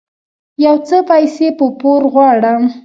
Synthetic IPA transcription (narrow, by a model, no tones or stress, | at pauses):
jawt͡səpajsepəpoɾɣwɑɽəm